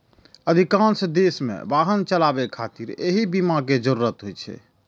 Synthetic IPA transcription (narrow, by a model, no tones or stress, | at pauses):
əd̪ʱikãnsd̪esmḛ̃baɦənt͡ʃəlabɛkʰat̪iɾeɦibimaked͡ʒəɾuɾət̪ɦojt͡ʃʰɛ̰